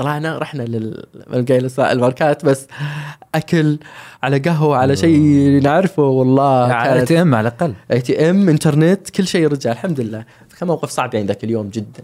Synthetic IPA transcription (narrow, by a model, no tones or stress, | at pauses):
sˤɑlɑːʕnaɾˤɑħnalɪlma̰nɡaːlɪsˤa̰ʔɪlmɑɾˤkaːt̪basːʔakʊlʕalaɡaɦwaʕalaʃeːlinɪʕɾɪfʊwɑlˤːɑːkaːnat̪ːɛmːʕalʔaqɑlːʔet̪iʔamʔɪnt̪ɑɾˤnɪt̪kʊlːʃeːɾˤɑd͡ʒaʕʔɪlħamd̪lɪlːaː | fḁkamːawqɪfsˤɑʕbʕiːnd̪akɪljoːmd͡ʒɪd̪ːan